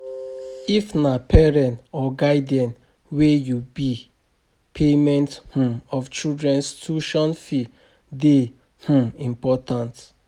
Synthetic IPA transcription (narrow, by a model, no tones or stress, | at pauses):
ifnapʰɛɹɛ̃nɔɡaɪdiɛ̃n | wejubi | pʰemɛ̃nthũɔft͡ʃildɹɛ̃nstʰuʃɔ̃nfi | de | hũĩmpɔtãnt